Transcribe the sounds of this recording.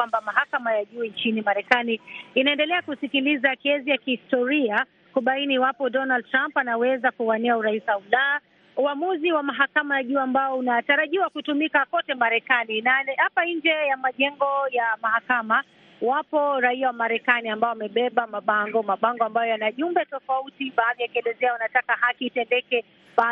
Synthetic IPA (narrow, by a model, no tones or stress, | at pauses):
wambamaɦakamajaʄuːnt͡ʃinimaɾɛkaniːnaɛndɛlɛakusikilizakɛzijakihistɔɾia | kuɓainiwapɔdɔnald̚tɾampanawɛzakuanɛauɾaisaula | uamuziwamaɦakamajaʄuːambaɔunataɾaʄiwakutumikakɔtɛmaɾɛkaninahapaɲɲd͡ʒɛjamaʄɛŋɡɔjamaɦakama | wapɔɾaiawamaɾɛkaniambaɔwamɛɓɛɓamaɓaŋɡɔmaɓaŋɡɔambajɔjanaʄumbɛtɔfautiɓaːðijakiɛlɛzɛaunatakahakiːtɛndɛkɛ | ɓa